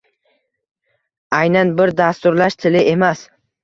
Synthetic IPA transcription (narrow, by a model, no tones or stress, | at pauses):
ajnanbɪɾd̪ast̪ʊɾlaʃt̪ʰɪlɪʔe̞mas